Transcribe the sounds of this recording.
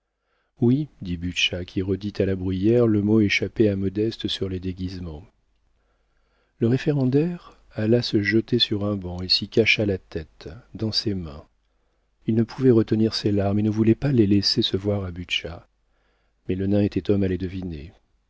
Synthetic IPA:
wid̪ibyʃakʲʰiʁəd̪it̪ʰalabʁyjɛʁləmoeʃapɛamɔd̪ɛst̪əsyʁlɛd̪eɡʲizmɑ̃ | ləʁefeʁɑ̃d̪ɛʁ | alasəʒət̪esyʁɛ̃bɑ̃esikaʃalat̪ʰɛt̪d̪ɑ̃semɛ̃ | ilnəpʰuvɛʁət̪əniʁselaʁmenəvulɛpalɛlesesəvwaʁabyʃa | mɛlənɛ̃et̪ɛt̪ɔmalɛd̪əvine

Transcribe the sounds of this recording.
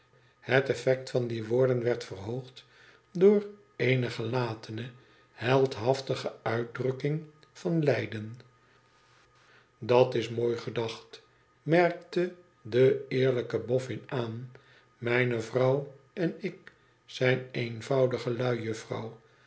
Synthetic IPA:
hətɛfɛk̚tfɑndiʋʊːɹdənʋɛɹtfərɦoʊχt | dʊːr | ejnəχəlaːtʰənə | hɛlˠtɦɑftəχəœɥt̚drɵkɪŋ | fɑnlɛjdən | dɑtɪsmoːjχədɑχt | mɛɹk̚tə | dəɪːɹləkəbɔfɪnaːn | mɛjnəvrɑw | ɛnɪk | sɛjnejnvɑwdəχəlœɥjɵfrɑ̰w

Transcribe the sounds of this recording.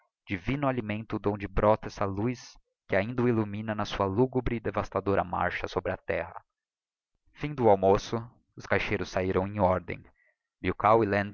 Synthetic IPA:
d͡ʒivĩnʊalimẽnt̪ʊːd̪õd͡ʒɪbɾɔt̪ɐɛsɐlujs | kɪaĩnd̪ɐʊilumĩnɐnɐsuɐluɡubɾɪɪd̪evast̪ad̪oɾʔɐ̰ma̰ɾʃɐsobɾɪɐt̪ɛ̰ɦɐ̰ | fĩd̪ʊawmosʊ | ʊskajʃejɾʊsːaiɾɐ̃w̃ẽj̃ɔɾd̪ḛ̃j̃ | biwkawilẽn

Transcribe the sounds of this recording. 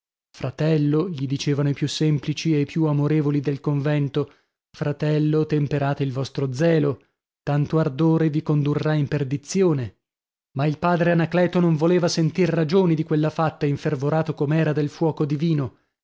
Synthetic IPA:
fɾat̪ɛlːoʎid̪it͡ʃeːvanoipjusːemplit͡ʃieipjuamoɾeːvolid̪elkoɱvɛnt̪o | fɾat̪ɛlːot̪empeɾaːt̪eilvɔst̪ɾod̪zɛːlo | t̪ant̪oard̪oːɾevikond̪urːaimperd̪it̪sjoːne | mailpaːd̪ɾeanaklɛːt̪onoɱvoleːvasent̪irːad͡ʒoːnid̪ikwelːafat̪ːaiɱfervoɾaːt̪okomɛːɾad̪elfwɔːkod̪iviːno

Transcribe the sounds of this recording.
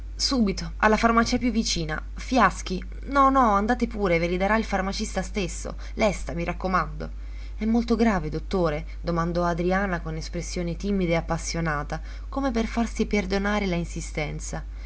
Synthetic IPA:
suːbit̪oa̰lːafarmat͡ʃiapjuvːit͡ʃiːna̰ | fjask̟i | nɔnɔand̪aːt̪epuːɾevelid̪aɾailfarmat͡ʃist̪ast̪esːo̰ | lɛst̪amiɾʔakːomand̪o̰ | ɛmːolt̪oɡɾaːved̪ot̪ːoːɾe | d̪omand̪ɔad̪ɾiaːnakonespɾesːjoːnet̪iːmid̪aeapːasːjonaːt̪a | komeperfarsiperd̪onaːɾelainsist̪ɛnt̪sa

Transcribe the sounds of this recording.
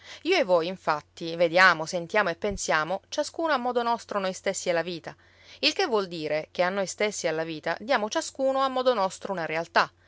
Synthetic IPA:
iːoevːɔjiɱfat̪ːived̪jaːmosent̪jaːmoepːensjaːmot͡ʃaskuːnoamːɔːd̪onɔst̪ɾonojst̪esːiɛlːaviːt̪a | ilk̟evːwɔld̪iːɾek̟eanːojst̪esːialːaviːt̪a̰d̪jaːmot͡ʃaskuːnoamːɔːd̪onɔst̪ɾounaɾealt̪a

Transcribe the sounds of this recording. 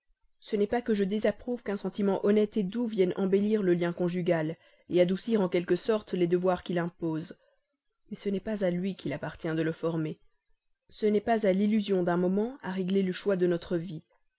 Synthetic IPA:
sənɛpakəʒəd̪ezapχuvkɛ̃sɑ̃t̪imɑ̃ʔɔnɛt̪ed̪uvjɛnɑ̃beliʁləljɛ̃kɔ̃ʒyɡal | ead̪usiʁɑ̃kʲɛlkəsɔʁt̪lɛd̪əvwaʁkʲilɛ̃poːz | mɛsənɛpazalɥikʰʲilapaʁt̪jɛ̃d̪ələfɔʁme | sənɛpazalilyzjɔ̃d̪ɛ̃mɔmɑ̃aʁɛɡleləʃwad̪ənɔt̪χəvi

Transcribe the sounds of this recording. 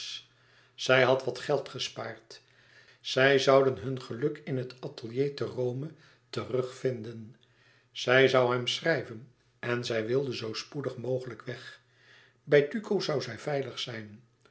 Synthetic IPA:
z̥ɛjɦɑtʋɑtχɛlˠtχəspaːrt | z̥ɛjzɑwdənɦɵnχəlɵkɪnɦətɑtəlˠjejtərowmə | tərɵχfɪndən | z̥ɛjzɑwɦɛmsrɛjvən | ɛnzɛjʋɪlˠdəzowspudəχmowχələkʋɛχ | bɛjtykʰozɑwzɛjvɛjləχsɛjn

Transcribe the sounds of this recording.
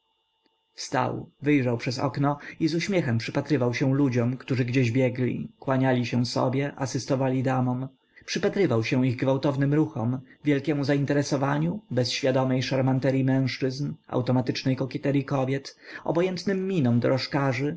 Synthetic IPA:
fst̪a̰wvɘjʐawpʂɛzɔ̰knɔizuɕmʲjɛxɛmpʂɘpat̪ɾɘvawɕɛ̃w̃lud͡ʑɔmkt̪uʐɘɡd͡ʑeʑbʲjɛɡlʲḭkwaɲalʲiɕɛw̃sɔ̰bʲjɛʔasɘst̪ɔvalʲid̪amɔm | pʂɘpat̪ɾɘvawɕɛ̃w̃iɣɡvawt̪ɔvnɘmɾuxɔ̰mvʲjɛlkʲɛmuzaint̪ɛɾɛsɔvaɲubɛsɕfʲjad̪ɔmɛjʂaɾmant̪ɛɾʲjimɛ̃w̃ʂt͡ʂɘzna̰wt̪ɔmat̪ɘt͡ʂnɛjkɔkʲɛt̪ɛɾjikɔbʲjɛt̪ɔ̰bɔjɛnt̪nɘmːinɔmd̪ɔɾɔʂkaʐɘ

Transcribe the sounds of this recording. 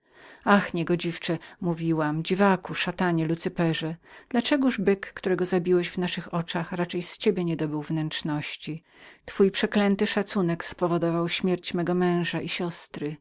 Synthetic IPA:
axɲɛɡɔd͡ʑift͡ʂɛmuvʲiwamd͡ʑivakuʂat̪aɲɛlut̪sɘpɛʐɛd̪̥lat͡ʂɛɡuʐbɘkːt̪uɾɛɡɔzabʲiwɛʑvnaʂɘxɔt͡ʂaxɾat͡ʂɛjst͡ɕebʲjɛɲɛd̪ɔbɘwvnɛnt͡ʂnɔɕt͡ɕi | t̪fujpʂɛklɛnt̪ɘʂat̪sunɛkspɔvɔd̪ɔvawɕmʲjɛɾt͡ɕmɛɡɔmɛ̃w̃ʐaʔiɕɔst̪ɾɘ

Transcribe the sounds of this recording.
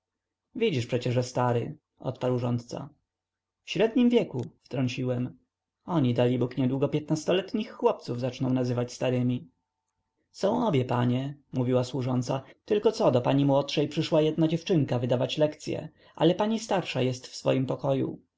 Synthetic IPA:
vʲid͡ʑiʂpʂɛt͡ɕɛʐʐɛst̪aɾɘ̰ | ʔɔ̰t̪paɾwʐɔnt̪̚t̪sa̰ | fɕɾɛd̪ɲimvʲjɛkuft̪ɾɔɲt͡ɕiwɛm | ɔɲid̪alʲibukɲɛd̪wuɡɔpʲjɛt̪̚nast̪ɔlɛt̪ɲixːwɔpt̪suvzat͡ʂnɔ̃w̃nazɘvat͡ɕst̪aɾɘmʲi | sɔ̃w̃ɔbʲjɛpaɲɛmuvʲiwaswuʐɔnt̪sat̪ɘlkɔt̪sɔd̪ɔpaɲimwɔtʂɛjpʂɘʂwajɛd̪nad͡ʑɛft͡ʂɘŋkavɘd̪avat͡ɕlɛkt̪sʲjɛ̰ | ʔa̰lɛpaɲist̪aɾʂajɛst̪fsfɔ̰jimpɔkɔjṵ

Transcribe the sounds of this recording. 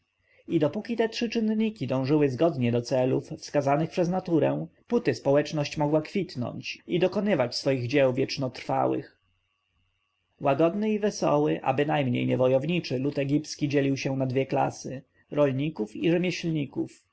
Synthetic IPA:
id̪ɔpukʲit̪ɛtʂɘt͡ʂɘnɲikʲid̪ɔ̃w̃ʐɘwɘzɡɔd̪ɲɛd̪ɔt̪sɛlufːskazanɘxpʂɛznat̪uɾɛput̪ɘspɔwɛt͡ʂnɔɕt͡ɕmɔɡwakfʲit̪nɔ̰ɲt͡ɕid̪ɔkɔnɘvat͡ɕsfɔjiɣd͡ʑɛwvʲjɛt͡ʂnɔt̪ɾfa̰wɘ̰x | waɡɔd̪nɘivɛsɔ̰wɘʔa̰bɘnajmɲḛjɲɛvɔjɔvɲit͡ʂɘlut̪ɛɡʲipt̪skʲid͡ʑɛlʲiwɕɛnad̪vʲjɛkla̰sɘ | ɾɔlɲikufiʐɛmʲjɛɕlɲikṵf

